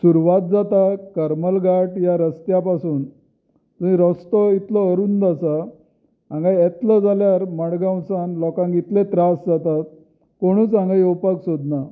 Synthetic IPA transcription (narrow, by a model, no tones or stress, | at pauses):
suɾuʋat̪̚d͡zat̪akəɾməlɡaʈjaɾəst̪japasuːn | t̪uĩɾɔst̪ɔit̪lɔəɾuːnd̪asa | ãŋɡajɛt̪ləd͡zaljaɾməɽɡãwsãnlɔkãŋɡit̪let̪ɾasd͡zat̪at̪̚ | koɽ̃uːt͡sãŋɡajopaksod̪na